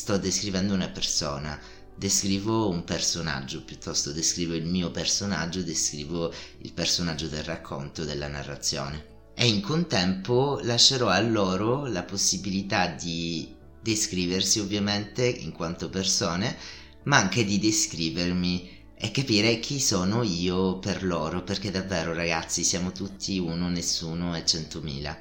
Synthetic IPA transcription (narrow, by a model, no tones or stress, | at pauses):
st̪ɔd̪ːeskɾivɛnd̪ounapersɔːna | d̪eskɾiːvoumpersona̰d͡ʒːopjut̪ʰːɔst̪od̪eskɾiːvoilmiːopersona̰d͡ʒːod̪eskɾḭːvoḭlpersonad͡ʒːod̪elrakʰːo̰nt̪od̪elːana̰rːa̰t̪sːjɔ̰ːne | eiŋkont̪ɛmpolaʃːeɾɔalːɔːɾolaposːibilit̪ad̪i | d̪eskɾiːversiovːjament̪eḭŋkwant̪opersɔːne | maaŋk̟ed̪id̪eskɾiːvermi | ɛkːapiːɾek̟ʰisɔːnoiːoperlɔːɾoperked̪avːɛːɾoɾaɡat̪sːisjaːmot̪ut̪ʰːiuːnonesːuːnoɛt͡ʃːɛnt̪omḭːla̰